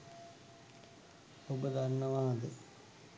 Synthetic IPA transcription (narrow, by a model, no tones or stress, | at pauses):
obəd̪aɾnəʋaːd̪ə